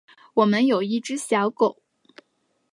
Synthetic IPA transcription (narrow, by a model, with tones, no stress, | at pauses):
wɔ˨˩mə˧˦njo˨˩ʊi˥˩ʈ͡ʂɻ̩˥ɕjɑ˧˥ʊko˨˩˦ʊ